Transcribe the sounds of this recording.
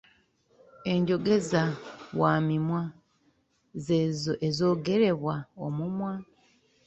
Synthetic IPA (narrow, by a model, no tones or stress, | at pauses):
e̞ɲɟo̞ɡe̞zaβwaːmimwa | zeːzoʔezo̞ːɡe̞ɾe̞βwaomumwa